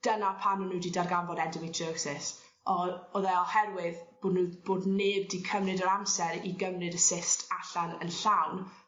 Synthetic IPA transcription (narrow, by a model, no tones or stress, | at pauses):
d̥ənapʰanunudidarɡanvɔdɛndɪmitʰəːksɪs | ɔɔðɛɔhɛrwɪðb̥oːdnub̥oːdneːb̚dikʰəmnɨdəɾamsɛɾiɡəmnɨdəsɪstʰaɬanə̰nɬawn